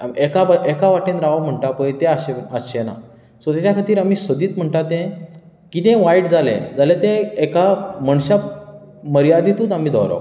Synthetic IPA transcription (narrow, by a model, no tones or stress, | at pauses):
ekabəʔekaʋaʈẽnɾaʋam̤əɳʈapəjt̪ẽaɕeaɕena̰ | sɔt̪at͡ɕakʰat̪iːɾamiːsʋəd̪iːt̪m̤əɳʈat̪ẽ | kit̪ẽʋaiʈd͡zalḛ̃d͡zalet̪ẽːkaməɳɕa | məɾijad̪it̪uːt̪am̤iːd̪ɔ̰ɾa̰